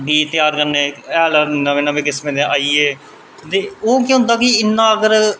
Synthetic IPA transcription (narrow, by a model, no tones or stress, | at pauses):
ɖiːt̪ɪjaːɾkəɾneːɛːlanəʋẽːnəʋẽːkɪsmẽːnẽːʔaːieː | d̪eːoːkjõːnd̪aːkiɪnːãːəɡəɾ